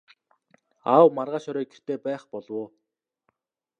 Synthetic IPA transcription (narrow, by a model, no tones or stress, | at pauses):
awmarʁaːʃɔɾœːɡer̥t̪eːpæːχpɔɮwoː